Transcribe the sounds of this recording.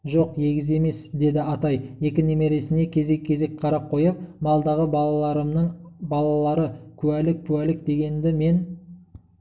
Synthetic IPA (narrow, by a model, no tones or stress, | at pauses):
ʒo̞qje̞ɡʲɪze̞me̞sd̪e̞d̪ɪɑt̪ɑje̞kʲɪneme̞ɾe̞sɪne̞kʲʰe̞ze̞kʲʰːe̞ze̞kqʰɑɾɑp̚qʰo̞jəp̚mɑlˠd̪ɑʁəbɑɑɑɾəmnəɴbɑlˠɑlˠɑɾəkʲʰʉwælɪk̚kʲʰʉwælɪk̚d̪e̞ɡʲe̞nd̪ɪme̞n